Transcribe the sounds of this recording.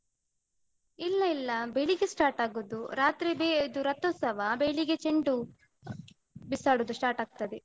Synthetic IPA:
ilːɐilːɐbeɭiɡesʈaːɾʈaːɡud̪uɾaːt̪ɾibeid̪uɾɐt̪ːɔːsɐʋɐbeɭiɡet͡ʃeɳɖu | bisaːɽud̪usʈaːɾʈaːɡ̚t̪ɐd̪e

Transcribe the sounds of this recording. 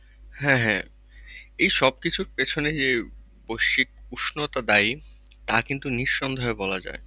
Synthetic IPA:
hɛ̃ɦɛ̃ | ejʃɔb̚kit͡ɕʰuɾpet͡ɕʰoned͡ʑe | bojʃik̚uʃnot̪ad̪aj | t̪akint̪uniʃːɔnd̪ʱoɦebɔlad͡ʑa̰e

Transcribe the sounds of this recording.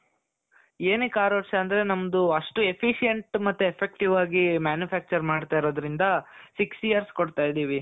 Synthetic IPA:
eːnekaːɾoːʈsɐnd̪ɐɾe̞nɐmɐd̪uɐʂʈue̞pʰiʃijeɳʈmɐt̪ːuepʰːek̚ʈiʋaːɡimjaːnjupʰæːk̚t͡ʃɐɾmaːɖt̪aːiɾo̞ːd̪ɐɾind̪ɐsiksijɐɾskoɽt̪aːjd̪iːʋi

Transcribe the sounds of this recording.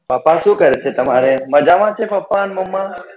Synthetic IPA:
paːpaʃũːkəɾet͡ʃʰet̪ɐmaɾeməd͡ʒaʋãt͡ʃʰepɐpːanmɐmːa

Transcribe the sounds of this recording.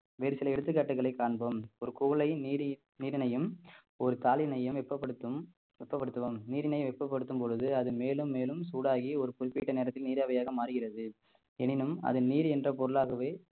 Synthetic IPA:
ʋeːɾɯsɪlɐɛɽɯt̪ːɯkːaːʈːɯkɐɭɐɪkːaːɳbɐmɔɾɯkɔɣɐɭɐɪnːɾ | niːɾɪnɐjɯm | ɔɾɯt̪aːlɪnɐjɯmʋɛpːɐpːɐɽɯt̪ːɯ | ɛpːɐpːɐɽɯt̪ːɐʋɐmniːɾɪnɐɪjʋɛpːɐpːɐɽɯt̪ːɯmpɔɻɯðɯɐðɯmeːlɯmːeːlɯmsuːɽaːɣiɔɾɯpʊɾɪpːiːʈːɐneːɾɐt̪ːɪlniːɾaːʋɐjaːɣɐmaːɾɯɣɪrɐðɯ | ɛnɪnɯmɐ̰ðɯniːɾɛndrɐpɔɾɯɭaːɣɐʋeː

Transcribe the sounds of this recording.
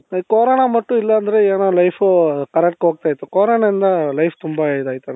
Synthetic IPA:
koːɾɐnamɐʈːũilːɐːnd̪ɐɾeeːnoːlɐjfkɐɾɛk̚ʈɦoːɡ̚t̪aːjit̪ːukoːɾɐɳaind̪ɐlɐjft̪umbɐd̪aːjit̪ːɐn

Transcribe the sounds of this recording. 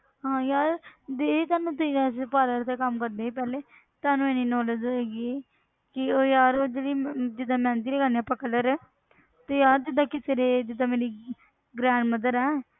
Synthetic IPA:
ɦãːjaːɾd̪eːt̪aːnũːt̪ispaːləɾt̪eːkəmkəɾd̪eːiːp̬ɛːleː | t̪aːnũːeːniːnɔːləd͡ʒeːɡie | kɪoːjaːɾoːd͡ʒeːɽiːd͡ʒɪd̪ãːmɛ̃ːnt̪iːleːɡaːnijãːpəkələɾɛː | t̪eːjaːɾd͡ʒɪd̪ãːkɪseːɾeːd͡ʒɪd̪ãːmeːɾiː | ɡɾɛ̃ːɳɖməd̪əɾɛː

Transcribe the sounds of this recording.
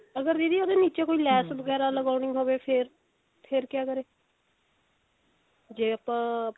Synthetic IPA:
əɡəɾd̪iːd̪iːoːd̪eːniːt͡ʃeːkoːiːlɛːsbəɡɛːɾaːləɡaːʊnĩːɦoːʋeːpʰɪɾ | pʰɪɾkɪjaːkəɾeː | d͡ʒeːapãː

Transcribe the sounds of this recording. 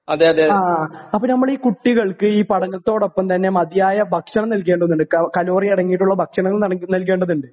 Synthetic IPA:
ɐðeɐðeaɐpːoːnɐmːɐɭiːkuʈːiɣɐɭkɨiːpɐɽɐɲːɐt̪ːo̞ːɽo̞pːɐmt̪ɐnːe̞mɐd̪jaːjɐbʱɐkʂɐɳɐmnɐlk̬e̞ːɳɖɐðnːuɳɖɨkɐlo̞ːriɐɽɐŋːijiʈːuɭːɐbʱɐkʂɐɳɐŋːɐɭnɐlk̬e̞ːɳɖɐðuɳɖɨ

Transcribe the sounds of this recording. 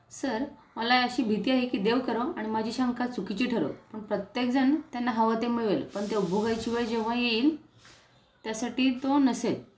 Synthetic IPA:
səɾməlaəɕiːbʱit̪iːaɦekiːd̪eʋkəɾoaɽ̃imad͡ʑʱiːɕaŋkat͡sukit͡ɕiːʈʰəɾo̰pəɳpɾət̪jek̚d͡zəɳt̪janːaɦəʋat̪emiɭʋelpəɳt̪eubʱuɡajt͡ɕiʋəɭd͡ʑeʋ̤ajeiːl | t̪jasaʈiːt̪onəsel

